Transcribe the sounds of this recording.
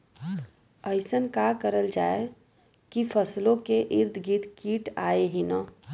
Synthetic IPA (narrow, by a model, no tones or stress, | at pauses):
əɪsənkakəɾəld͡ʒaːe | kipʰəslõkeʔɪɾd̪ʱɡit̪kiːʈaːeɦinə